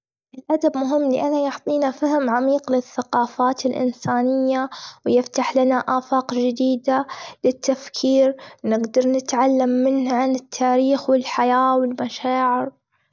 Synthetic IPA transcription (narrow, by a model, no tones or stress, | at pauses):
ʔɪlʔad̪abmʊɦɪmːlɪʔanːajɑħt̪ˤiːnafaɦɪmʕamiːqlɪθːaqɑːfaːt̪ɪlʔɪ̰nsaːnɪjːawjɪft̪aħlanaʔaːfɑːqd͡ʒɪd̪iːd̪alɪt̪ːafkʰiːɾnɪɡd̪ɑɾˤnɪt̪ʕalːamːɪnhʕanɪt̪ʰːaːɾiːxwɪlħajaːwɪlmaʃaːʕɪɾ